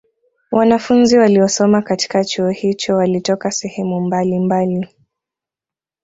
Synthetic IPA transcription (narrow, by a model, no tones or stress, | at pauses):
wʔanafunziwaliɔsɔmakati̥kat͡ʃuɔhit͡ʃɔwalitɔkasɛhɛmumbalimbali